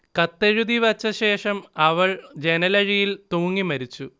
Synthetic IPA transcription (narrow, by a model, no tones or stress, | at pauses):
kɐt̪ːɐɻud̪iʋɐt͡ɕːɐɕe̞ːʂɐmɐʋɐɭd͡ʑe̞nɐlɐɻijilt̪uːŋːimɐɾit͡ɕːu